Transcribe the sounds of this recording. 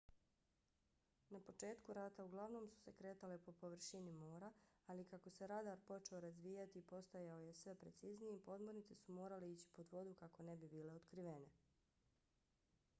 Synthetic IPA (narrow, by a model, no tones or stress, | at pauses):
napo̞t͡ʃe̞ːt̪kuɾat̪auɡlˠaʋno̞ːmsu̥se̞kɾe̞ːt̪ale̞po̞po̞ʋr̩ʃinimoːɾaalikako̞se̞ɾad̪aːɾpo̞t͡ʃe̞o̞ɾazʋiːjat̪ipo̞st̪ajao̞je̞sʋe̞pɾet̪siznijepo̞d̪monit̪sesumo̞ːɾaleiːt͡ɕi̥po̞d̪ʋo̞d̪ukako̞ne̞bibiːle̞od̪kɾiʋene̞